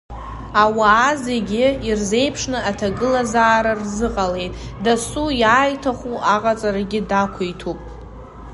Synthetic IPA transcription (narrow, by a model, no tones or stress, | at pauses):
awaːzeɡʲɪirze̞jpʰʂnɨatʰaɡɨlazaːɾarzɨqʼale̞jtʼdasujaːjtʰaχʷuʔaqʼat͡sʼaɾaɡʲɪdakʷʰaitʰupʼ